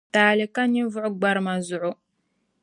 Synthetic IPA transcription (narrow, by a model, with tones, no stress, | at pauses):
taː˨lɪ˨ka˦ni˦vʊ˦ʔʊ˦ɡ͡ba˦ɾɨ˦ma˨zʊ˨ʔʊ˦